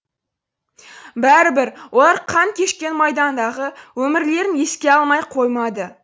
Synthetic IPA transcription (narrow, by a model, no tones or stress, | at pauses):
bæɾɪbɪɾwʔo̞lˠɑɾqʰɑŋkʲʰe̞ʃkʲe̞nmɑjd̪ɑnd̪ɑʁəwɵmɪɾle̞ɾɪne̞skʲe̞ɑlˠmɑjqʰo̞jmɑd̪ə